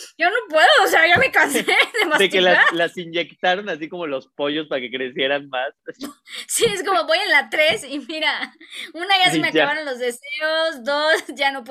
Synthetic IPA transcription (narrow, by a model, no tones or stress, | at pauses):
ʝo̞no̞pwe̞ðoːseaʝame̞kanseðemaekelalasind͡ʒe̞kt̪aɾo̞nasiko̞mo̞lo̞spo̞ʝo̞spaɾake̞kɾe̞sje̞ɾanmas | sie̞sko̞mo̞βo̞jenlat̪ɾe̞simiɾaunaʝasemeaaβaɾo̞nlo̞zðe̞se̞ozd̪o̞sʝano̞p̬